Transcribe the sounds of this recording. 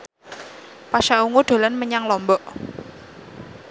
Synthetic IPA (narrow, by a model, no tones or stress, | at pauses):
paʃauŋuɖ̪̥o̤lanməɲaŋlɔmbɔʔ